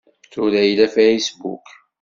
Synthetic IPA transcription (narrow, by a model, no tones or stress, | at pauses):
θulæjlæfæisbṵk